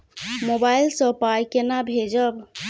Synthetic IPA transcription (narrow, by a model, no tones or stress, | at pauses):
mobailsəpajkenabʱed͡ʒəb